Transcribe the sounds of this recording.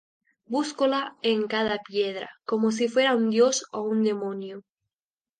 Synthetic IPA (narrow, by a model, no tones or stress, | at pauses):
buskolaeŋkað̞apjeð̞ɾa̰komos̬ifwe̞ɾaund̪josound̪emõnjo